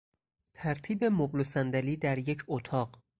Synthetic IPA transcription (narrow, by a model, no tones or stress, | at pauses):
t̪ʰæɾt̪ʰiːbe̞moblosænd̪æliːd̪æɾje̞cʰot̪ʰɒːɢ